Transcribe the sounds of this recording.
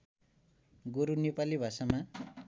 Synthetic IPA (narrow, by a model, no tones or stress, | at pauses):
ɡoɾunepalibʱasama